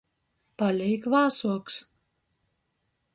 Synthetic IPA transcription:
palʲɛjkvɑːsuɔks

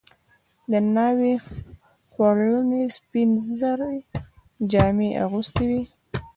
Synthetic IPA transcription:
d̪ənɑwi | xwaɭunespinzəzaɾa | d͡ʒɑmeʔa̰ɣust̪awi

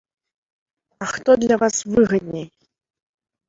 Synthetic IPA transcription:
axt̪ɔd̪lʲɐvasvɨɣɐd̪̚ʲnʲej

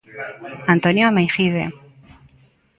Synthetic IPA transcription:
ant̪onjoamejxiðḛ

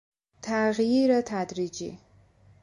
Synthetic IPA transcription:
t̪ʰaːɣjiɾɐt̪ʰad̪ɾid͡ʒḭ

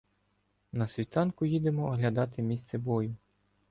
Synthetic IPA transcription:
nɐsʲʋʲit̪ɑnkʊjid̪emɔːɦlʲɐd̪ɑt̪ɪmʲist̪sɛbɔjʊ

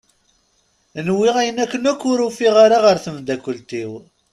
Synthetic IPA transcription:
nwːiʁæjənækːənækʷːʊɾufiʁaɾaʁəɾθəmd̪ækʷːəlt̪iw

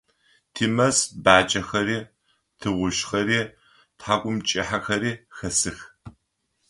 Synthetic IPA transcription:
tʰiːmɐsbaːt͡ʃʼɐxɐɾiː | tʰɨʁʷʊʃχɐɾiː | tħaːkʷʼʊmt͡ʃʼiħaxɐɾiːxɐsɨx

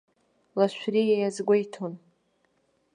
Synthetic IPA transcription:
laʃʷᶣrijajazɡʷojtʰon

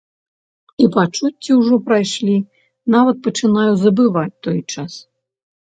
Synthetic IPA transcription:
ipat͡ʂut͡sʲt͡sʲiwʐɔpɾajʂlʲi | navɐt̪̚pɐt͡ʂɨnajuzɐbɨvat͡sʲt̪ɔjt͡ʂas

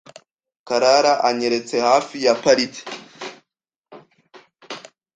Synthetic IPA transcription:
kaɾaɾaʔaɲe̞ɾe̞t͡se̞haːfijapaɾitʰi̥

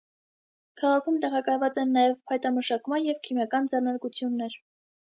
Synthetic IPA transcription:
kʰɑʁɑkʰumt̪ɛʁɑkɑjvɑt͡sɛnːɑjɛvpʰɑjt̪ɑməʃɑkmɑnjɛvkʰimjɑkɑnd͡zɛrnɑɾkut͡sʰjunːɛɾ

